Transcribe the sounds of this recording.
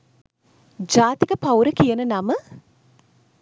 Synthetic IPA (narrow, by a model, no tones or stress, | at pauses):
d͡ʒaːt̪ikəpawɾəkijənənamə